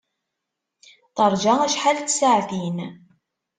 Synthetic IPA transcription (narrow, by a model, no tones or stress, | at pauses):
θɑɾˤd͡ʒaæʃħalt̪ːsaʕθin